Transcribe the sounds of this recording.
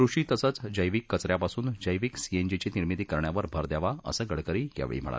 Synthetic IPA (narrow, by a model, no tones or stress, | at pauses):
kɾuʂiːt̪əsət͡sd͡ʑəjʋiːkːət͡sɾjapasuːnd͡ʑəjʋiːksiend͡ʑit͡ɕiniɾmit̪iːkəɾɳjaʋəɾbʱəɾd̪jaʋaʔə̰səːɡəɽkəɾiːɡa̰ʋɭḭm̤ə̰ɭa̰